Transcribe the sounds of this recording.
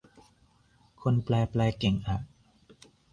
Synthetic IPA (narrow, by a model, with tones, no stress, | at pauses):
kʰo˧nplɛː˧plɛː˧ke˨˩˦ŋʔa˨˩ʔ̚